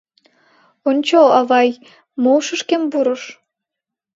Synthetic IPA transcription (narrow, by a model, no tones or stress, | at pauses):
onʲt͡ɕoɑβɑj | moʃəʃkembuɾə̆ʃ